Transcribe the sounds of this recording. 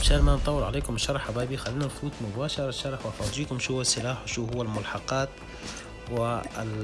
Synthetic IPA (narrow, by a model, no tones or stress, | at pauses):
bʃaːɾmant̪ˤɑwːɪɾʕaleːkʊmɪʃːɑɾˤɑħabaːbixalːiːnanfuːt̪mʊbaːʃɑɾˤʃːɑɾˤɑħwʔɑfɑːd̪ˤiːkʊmʃuːhʊːasːɪlaːħwʃuːɦʊwːalmʊlħɑqɑːt̪ | wɪ